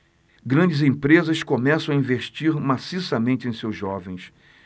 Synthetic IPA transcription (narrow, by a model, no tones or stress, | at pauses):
ɡɾɐ̃nd͡ʒɪzẽpɾezɐskomɛsɐ̃w̃aĩveʃt͡ʃiɾmasisɐmẽnt͡ʃɪẽj̃sewzʒːɔvẽj̃s